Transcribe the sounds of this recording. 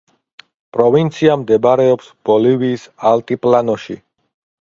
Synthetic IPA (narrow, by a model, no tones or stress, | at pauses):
pʼɾɔvint̪sʰiamd̪ɛbaɾɛɔpsb̥ɔliviːsalt̪ʼipʼlanɔʃḭ